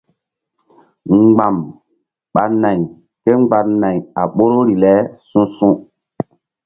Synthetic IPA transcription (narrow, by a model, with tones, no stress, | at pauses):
ɡ͡ba˨m | ɓa˨na˨j | ke˦ŋ͡mɡ͡ba˨na˨ja˨ɓo˦ɾo˦ɾi˨lɛ˦sũ˦sũ˦